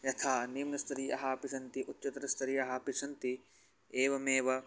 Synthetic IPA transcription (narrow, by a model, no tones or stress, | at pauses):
jɐt̪ʰaːnimnɐst̪ɐɾiːʔɐ̰ɦaːpisɐnt̪iʔʊt͡ʃɐt̪ɾɐst̪ɐɾiːɐɦaːpɪsɐnt̪i | eːʋɐmeːʋɐ